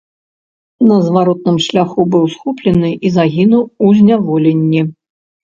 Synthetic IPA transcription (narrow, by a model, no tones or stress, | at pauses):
nɐzvaɾɔt̪̚nɨmʂlʲaxubɨwsxɔplʲɛnɨʔizaɣʲinuwuzʲnʲavɔlʲɛnʲːi